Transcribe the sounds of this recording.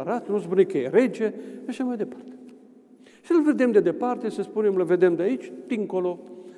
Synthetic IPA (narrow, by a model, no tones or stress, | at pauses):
ɾat̪nusbunekəjeɾe̞d͡ʒe̞aʃamajd̪e̞pḁrt̪e̥ | ʃilve̞d̪e̞md̪e̞d̪e̞part̪e̞səspune̞mləve̞d̪e̞md̪eait͡ʃʲd̪̥iŋko̞lo̞